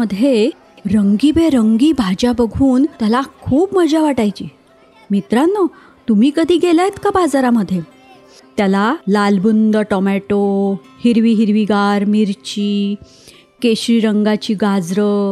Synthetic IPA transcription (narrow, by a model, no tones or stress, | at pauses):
əd̪ʱːje | ɾəŋɡibeɾəŋɡiːbʱad͡ʑabəɡʱuːnt̪jalakʰuːpməd͡ʑaʋaʈajt͡ɕiː | mit̪ɾanːə | t̪um̤iːkəd̪ʱiːɡelait̪kabad͡zaɾaməd̪ʱːje | t̪jalalalbund̪əʈɔmɛʈo | hiɾʋiːɦiɾʋiɡaɾmiɾt͡ɕiː | keɕɾiɾəŋɡat͡ɕiːɡad͡zɾə